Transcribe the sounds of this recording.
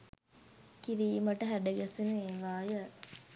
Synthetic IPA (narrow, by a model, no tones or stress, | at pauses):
kiɾiːməʈəɦæɖəɡɛsineːʋaːjə